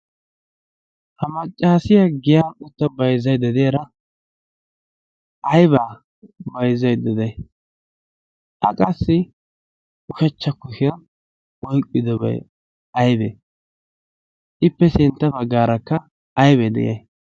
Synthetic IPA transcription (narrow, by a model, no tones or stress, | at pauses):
hɐmɐt͡ʃʼːaːsɪjɐɡɪjaːʊt̪ːɐbɐjzːɐjd̪ɐd̪ejɾɐ | ʔɐjbaː | bɐjzɐjd̪ɐd̪ɐj | ʔɐ̰kʼɐsːɪ | ʊʃɛt͡ʃːɐkːʊʃɪjɐn | ɔjkʼːɪd̪ɔbɐ̰ | ɐjbɛ̰ | ʔɪpːɛsɪnt̪ːɐbɐɡːaːɾɐkːɐ | ɐjbɛːd̪ɛ̰jɐ̰j